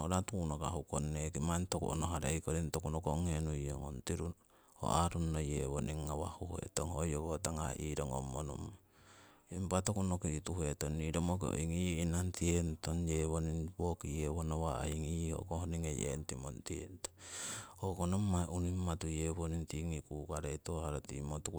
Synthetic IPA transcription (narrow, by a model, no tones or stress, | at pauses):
oɾatunokaɦukonːekimantokṵʔonoɦaɾaikoɾintokunokoŋenujoŋo̰ntiɾun | o̰ʔaɾunːojeβoniŋːawahuhḛtoŋhojokotaŋa̰ʔiːɾoŋo̰mːono̰m | impatokunokiituhetonːiɾomok̬eo̰iŋiinantientonjeβoninbokijeβonawaiŋiho̰kohoniŋejʔḛntimontientohokonomːaʔunimːatujeβonintiŋikukaɾejtohaɾotimotuu